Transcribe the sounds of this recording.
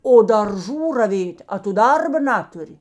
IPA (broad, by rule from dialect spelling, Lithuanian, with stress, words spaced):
oː dɐrˈʒuː rɐˈʋʲeːtʲ ɐ tʊ ˈdɐrbɐ ˈnɑːtʊrʲɪ